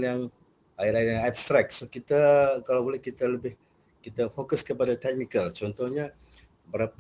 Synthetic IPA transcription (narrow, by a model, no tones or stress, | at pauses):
njaŋ | aɪɾaɪrjaŋapst̪ɾak̚sokit̪akalawbolɛhkit̪aləbɪh | kit̪afokəskəpadat̪ɛk̚nikəlt͡ʃɔnt̪ɔhɲa | bəɾap